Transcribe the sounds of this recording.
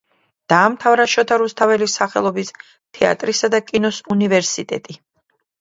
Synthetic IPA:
d̪̥aːmt̪ʰavɾaʃɔt̪ʰaɾust̪ʰavɛlisaχɛ̰lˠɔbis | t̪ʰɛa̰t̪ʼɾisad̪akʼinɔsunivɛɾsit̪ʼɛ̰t̪ʼi

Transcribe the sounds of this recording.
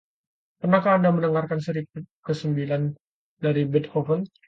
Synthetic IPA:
pərnakaːndamənəŋarkansəɾik̚ʊt̪̚kəsəmbilan | daɾibɛt̪̚hɔfən

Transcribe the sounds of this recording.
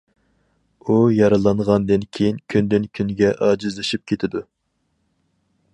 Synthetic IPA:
ujɑɾɨlˠɑnʁɑnd̪ɨnkʲʰejinkʲʰynd̪ɪnkʲʰynɡʲɛʔɑːd͡ʒizlˠɨʃip̚kʲʰet̪ʰɪd̪u

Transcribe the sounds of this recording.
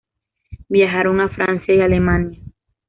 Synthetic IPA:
bjaɦaɾoŋafɾansjaialemanja

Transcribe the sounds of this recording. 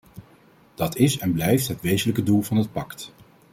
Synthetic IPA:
d̥ɑtʰɪsɛnblɛjftɦətʋejzələkədulˠvɑnɦət̚pɑkt

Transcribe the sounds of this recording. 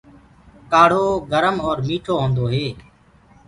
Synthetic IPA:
kaːɽ̤oːɡəɾəmɔːɾmiːʈʰoːɦõːnd̪oːɦeː

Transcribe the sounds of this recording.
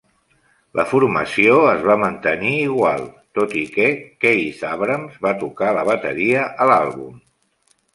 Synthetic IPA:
lʔə̰fuɾməsioəzβamənt̪əniːɣwa̰lˠt̪ot̪ikɛkejzaβɾəmzβat̪ukaləβ̞ət̪ə̰ɾiəʔəlalˠβum

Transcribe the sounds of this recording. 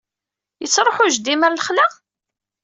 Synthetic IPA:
jət͡sːɾˤoħʊʒd̪iməɾləχlaʁ

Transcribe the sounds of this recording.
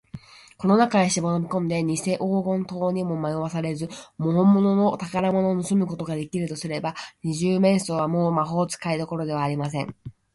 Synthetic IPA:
ko̞no̞nakaɲeɕimo̞no̞bʲikõ̞nd̪e̞ɲ̟ise̞ʔo̞ːɡõ̞nt̪o̞ːɲ̟imo̞majoβasaɾe̞zɨmoɦõ̞mːo̞no̞not̪akaɾamo̞no̞ːnosɨmɯ̟ko̞t̪o̞ɡad̪e̞kʲiɾɯ̟t̪osɨɾe̞baɲ̟iʑɨːmẽ̞ɰ̃so̞ːβamo̞ːmaɦo̞ːt͡sɨ̥kaid̪o̞ko̞ɾo̞d̪e̞βaːɾʲimas̬ẽ̞ŋ

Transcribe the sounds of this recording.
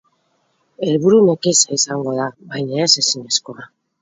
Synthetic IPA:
e̞lβuɾunekisaisaŋɡo̞ðaβajɲaese̞siɲesko̞a

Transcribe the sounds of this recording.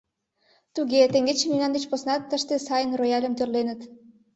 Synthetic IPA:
t̪uɣet̪eŋɡet͡ɕəmynɑnd̪et͡ɕposnɑt̪ːəʃt̪esɑjənrojɑlʲə̆mt̪ørlenət̪

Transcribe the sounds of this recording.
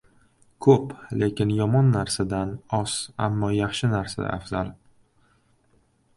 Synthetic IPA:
kʰople̞kʲɪnjɒmɒnːaɾsad̪anɒsa̰mːɒjɑχʃɪnaɾsa̰a̰fzalˠ

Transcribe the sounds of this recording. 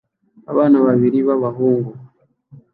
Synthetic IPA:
a̰βanaβaβiɾiβaβaɦuːŋɡu

